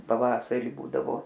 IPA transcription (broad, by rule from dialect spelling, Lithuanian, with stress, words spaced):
pɐˈʋɑːsɐrʲɪ ˈbuːdɐʋoː